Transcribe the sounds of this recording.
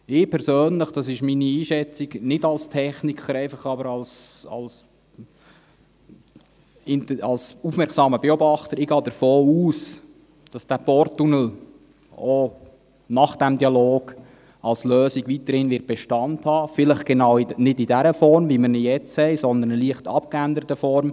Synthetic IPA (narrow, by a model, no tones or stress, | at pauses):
ɪpʰɛɾsøːnləχd̥ɑs̬ɪʃminiiːʃɛt͡siɡnɪdɑlstʰɛχnikχəɾɛɪfɑχɑbəɾɑlsɑ̰ls | ɪntɑlsufmɛɾksɑːməbeɔbɑχt̪əɾɪɡ̥ɑːd̪əɾfoːuːs | d̥ɑsd̥æpɔɾtːunəl̩ | o | nɑχd̥æmdiɑloːɡ̥ | ɑlsløːsiɡʋitəɾhɪnʋɪːɾt̚b̥ɛʃtɑnthɑːfɪləχɡ̥ɛnɑwinɪdidæɾəfɔɾmʋiməɾnɪjɛt͡shɛɪsɔnd̪ənəliəχtɑ̰p̚kændəɾətəfɔɾm